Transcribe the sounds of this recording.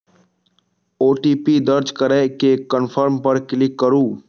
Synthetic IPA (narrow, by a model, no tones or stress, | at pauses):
oːʈiːpiːd̪əɾd͡ʒkəɾɛkekənfʰəɾmpəɾkɪlɪkːəɾuː